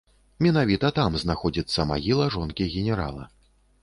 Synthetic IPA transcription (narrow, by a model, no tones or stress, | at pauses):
mʲɛnavʲit̪ɐt̪amznaxɔd͡zʲit̪sːɐma̰ɣʲilˠɐʐɔnkʲiɣʲɛnʲɛɾa̰lˠɐ̰